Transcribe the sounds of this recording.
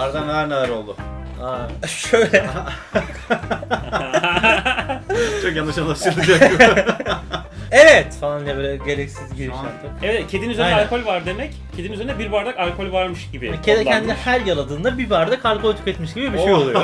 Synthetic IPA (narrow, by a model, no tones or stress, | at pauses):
aɾd̪anæɾnelˠaɾo̞lˠd̪ʊ | aʃøjlʲɛ | t͡ʃʰokjanːɯʃanˠaʃt̪ɯɾlˠɯd͡ʒak | evɛt̪falˠanːlɛbølʲɛɟe̞lʲɛcsizɟiɾiʃat̪ɯɛɛt̪cʰed̪inyzeaalʲkʰo̞lʲvaɾd̪e̞mɛc | cʰed̪inyzeinɛbiɾbaɾd̪akalʲkʰo̞lʲvaɾmɯʃɟibɪcʰed̪cʰɛnd̪inɛhæɾjalˠad̪ɯːnd̪abibaɾd̪akʰalʲkʰo̞lʲt̪ʰy̥keɛt̪miʃɟibibiʃejolˠuj